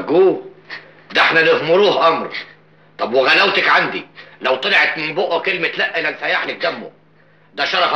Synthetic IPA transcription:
ɡuː | d̪æeħnænɪhmʊɾuːhʔɑmɾ | t̪ˤɑbwɪɣælæwt̪ækʕand̪ilæwt̪ˤɑleʕet̪mɪmboʔækelmet̪læʔːælænfæjaħlɪk̚d̪æmːo̰ | d̪æʃɑɾˤɑf

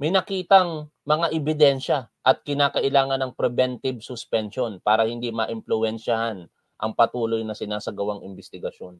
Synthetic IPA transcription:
mɐjnɐkiːt̪ɐŋmɐŋaʔɛbɪd̪ɛnʃɐʔɐt̪̚kɪnaːkɐʔɪlaːŋɐnɐŋpɾɛbɛnt̪ɪbsʊspɛnʃo̞npaːɾɐhɪnd̪imɐʔɪmplʊɛnʃɐhan | ʔɐŋpɐt̪uːlo̞jnɐsɪnaːsɐɡɐwaŋɪmbɪst̪ɪɡɐʃo̞n

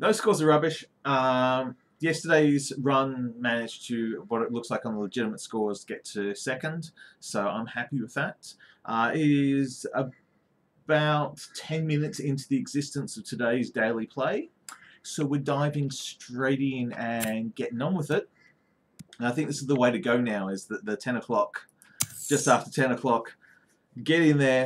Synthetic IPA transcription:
ðoʊzskɔɹzəɹʌbɪʃ | ʌ | jɛstə˞ɾeɪzɹʌ̃nmænɨd̥d͡ʒ̥tʰɨwʌɾɨtˡlʊkslaɪkn̩ðələd͡ʒɪɾɨmətskɔɹz̥ʰɡ̥ɛtʰɨsɛkɨ̃nd̥soʊã̰ɪ̃mhæpiwɨðət̚ʔʌɪzə | baʊtʰɛ̃nmɪ̃nɨtsɪ̃ntʉðiɨɡzɪstɨ̃nsʌv̥tʰɨdeɪzdeɪlˠipʰl̥eɪ | soʊwɪdaɪvɪ̃ŋstɹ̥eɪɾɪ̃ŋɨ̃nɡɛɾɪ̃ŋə̃nwəðɪt̚ | ə̃naɪθɪ̃ŋk̚ðɪsɨzðəweɪɾɨɡoʊnaʊɪzðɨt̪̚ðɨtʰɛ̃ñəkʰl̥ɑk | d̥ʒ̥ʌstæftə˞tʰɛ̃nəkʰl̥ɑk | ɡ̥ɛɾɪ̃nðə˞

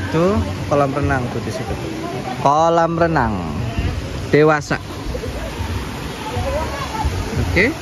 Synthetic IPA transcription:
t̪okɔlamɾənaŋd̥ut̪isik̪ɔ | kɔlamɾənaŋ | d̪̥ewasa̰ʔ | oke

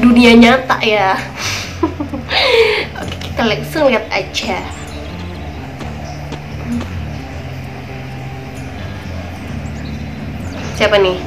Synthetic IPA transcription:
duniaɲat̪a̰ʔja | oke̥ki̥t̪alɛksəŋliɦat̪̚a̰t͡ʃa | siapanɪh

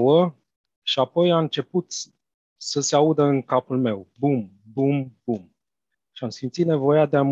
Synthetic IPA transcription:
wə | ʃiapo̞jaɨnt͡ʃe̞put̪ | səseaud̪əɨŋkapulme̞wbum | bumb̥um | ʃiamsimt̪sit̪ne̞vo̞jead̪eam

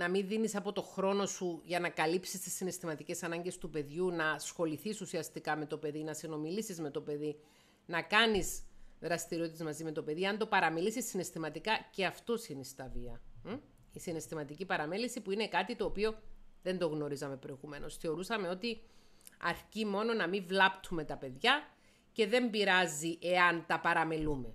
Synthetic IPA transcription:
nɐminðinisɐpo̞t̪o̞xɾo̞no̞suʝɐnɐkɐlipsist̪i̥sːinest̪imɐt̪ice̞sɐnɐɲɟe̞st̪upe̞ðʝunɐsxo̞liθisusiɐst̪ikɐme̞t̪o̞pe̞ðinɐsino̞milisizme̞t̪o̞pe̞ði | nɐkɐnizðɾɐst̪iɾioit̪ezmɐzime̞t̪o̞pe̞ðiɐnd̪o̞pɐɾɐmilisisːine̞st̪imɐt̪ikɐce̞ɐft̪o̞sinist̪ɐviɐ | isine̞st̪imɐt̪icipɐɾɐme̞lisipuine̞kɐt̪it̪o̞ːpio̞ðe̞nd̪o̞ɣno̞ɾisɐme̞pɾo̞eɣume̞no̞sθeo̞ɾusɐmeo̞t̪i | ɐɾcimo̞no̞nɐmivlɐpt̪ʰume̞t̪ɐpe̞ðʝɐ | ce̞ðe̞mbiɾɐziʔe̞ɐnt̪ɐpɐɾɐmelume̞

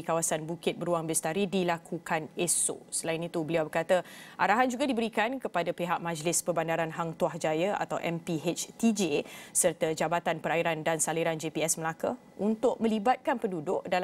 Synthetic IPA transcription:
ikawasanbukɪt̪̚bəɾuaŋbɛst̪aɾidilakʰukaneso̰səlainit̪ubəliawbərkat̪aʔaɾaɦand͡ʒuɡadibəɾikankəpadapeɦaʔ̚mãd͡ʒlɪspərbandaɾanɦaŋt̪uahd͡ʒajaa̰t̪awʔɛmpiɦet͡ʃt̪id͡ʒesərt̪ad͡ʒabat̪anpəɾaiɾandansaliɾand͡ʒepiɛsməlaka | unt̪ʊʔ̚mə̃libat̪̚kanpəndudʊʔdal

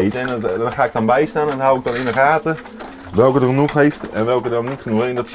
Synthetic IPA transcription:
jtɛndnχaːɪk̚dɔnbɛjstaːnɛnɦawɪɡ̚dɔnɪnəraːtə | ʋɛlˠkədəχənuχɦejftɛnʋɛlˠkədɔnːitχənuχɪndɔts

